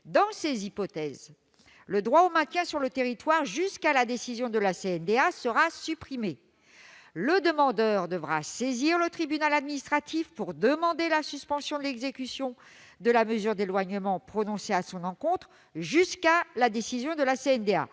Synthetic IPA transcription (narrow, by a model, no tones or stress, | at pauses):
d̪ɑ̃sezipɔt̪ɛz | ləd̪ʁwaomɛ̃t̪jɛ̃syʁlət̪eʁit̪waʁʒyskalad̪esizjɔ̃d̪əlaseɛnd̪easəʁasypχime | ləd̪əmɑ̃d̪œʁd̪əvʁa̰seziʁlət̪χibynalad̪minist̪χat̪ifpuʁd̪əmɑ̃d̪elasyspɑ̃sjɔ̃d̪əlɛɡzekʲysjɔ̃ | d̪əlaməzyʁd̪elwaɲəmɑ̃pχɔnɔ̃seasɔ̃nɑ̃kɔ̃t̪χ | ʒyskalad̪esizjɔ̃d̪əlaseɛnd̪ea̰